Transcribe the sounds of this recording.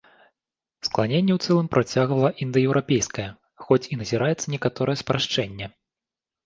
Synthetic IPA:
sklˠanʲenʲːɛwt̪sɛlˠɨmpɾʔat͡sʲaɣvɐlˠɐʔind̪ɨjɛwɾʔapʲejskɐjɛ | xɔt͡sʲinɐzʲiɾajɛt̪sːɐnʲɛkat̪ɔɾɐjɛspɾaʂt͡ʂɛnʲːɛ

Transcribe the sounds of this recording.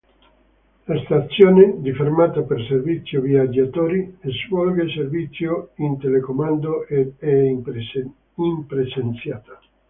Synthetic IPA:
last̪at̪sːjoːned̪ifermaːt̪aperservit̪sːjoviad͡ʒːat̪oːɾiezvɔlɡeservit̪sːjoint̪elekomand̪oɛ | impɾet͡ʃent̪sjaːt̪a

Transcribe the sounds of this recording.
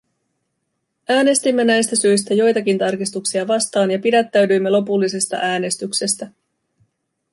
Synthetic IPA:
æːne̞st̪imːe̞næjst̪æsyjs̬t̪æjo̞jt̪ɑk̟int̪ɑrkist̪uksiɑʋɑst̪ɑːnjɑpidæt̪ːæɥdyjmːe̞lo̞pulːise̞st̪ɑ̰ʔæːne̞st̪ykse̞st̪æ

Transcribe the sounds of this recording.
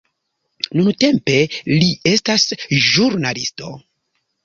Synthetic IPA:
nunte̞mpe̞lie̞stasʒuɾnalisto̞

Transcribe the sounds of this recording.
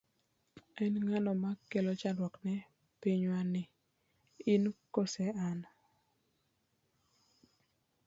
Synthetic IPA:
ɛnŋanɔmakelot͡ʃandwɔknɛ | piɲwanɪ | ɪnkosɛan

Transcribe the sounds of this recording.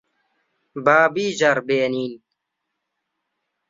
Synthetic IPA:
baːbiːd͡ʑɐɾbeːniːn

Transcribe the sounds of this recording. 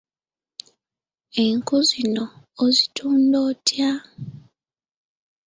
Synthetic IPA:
e̞ŋkuzinoː | zitʰuːndoːtʰja

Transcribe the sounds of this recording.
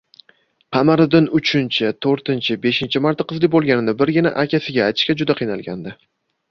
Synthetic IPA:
qʰɑmaɾɪd̪ɪnʊt͡ʃʰɪnt͡ʃʰɪt̪ʰoɾt̪ɪnt͡ʃʰɪbe̞ʃɪnt͡ʃʰɪmaɾt̪ːaqʰɨzlɪbolˠɡʲanɪnɪbɪɾɡʲɪnaʔakʲasɪɡʲaːjt̪ʰɪ̥ʃkʲad͡ʒʊd̪aqʰijnalˠɡʲa̰nd̪ɪ

